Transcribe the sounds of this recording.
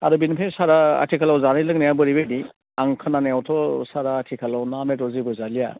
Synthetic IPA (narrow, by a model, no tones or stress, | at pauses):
aɾɯbinpʰesaɾaa̰tʰikʰalawzanilɯŋnajabɯɾibedi | aŋkʰɯnanajawtʰɔsaɾaːtʰikʰalawnametɔzibɯzalija̰